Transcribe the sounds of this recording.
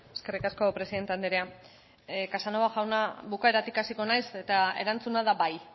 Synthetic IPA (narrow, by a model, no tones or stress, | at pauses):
eske̞rikasko̞pɾeiðe̞nt̪e̞and̪eɾea | kasanoβaʝawnaβukae̞ɾat̪ikasiko̞najse̞t̪ae̞̰ɾant͡sunaðaβaj